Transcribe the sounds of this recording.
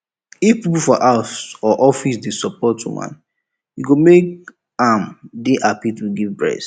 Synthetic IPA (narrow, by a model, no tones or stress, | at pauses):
ifpipufɔʔaʊsɔʔɔfisdesɔpɔtʰːṵwã̰n | juɡomek | ãmdeʔapipuɡivbɹɛ̰s